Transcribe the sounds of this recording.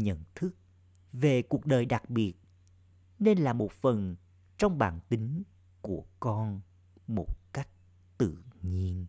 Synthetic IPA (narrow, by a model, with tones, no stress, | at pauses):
ɲə̰˧˨nt̪ʰɨ˦˥k̚ | ve˨˩ku˨˩ək̚ɗəː˨˩jɗa˨˩k̚ɓi˨˩ət̚ | ne˧nlaː˨˩mo˨˩t̚fə˨˩n | t͡ɕɔ˧wŋ͡mɓa̰ː˧˨nt̪i˨˦ŋ | ku˧˩əkɔ˧n | mo˨˩t̚ka˦˥jk̟̚ | t̪ɨ̰˧˨ɲi˧ən